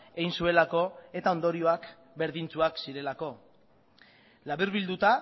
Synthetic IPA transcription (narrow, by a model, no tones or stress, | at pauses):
ejnsue̞lako̞e̞t̪ao̞nd̪o̞ɾioak | be̞ɾðint͡suaksiɾe̞lako̞ | laβiɾβild̪ut̪a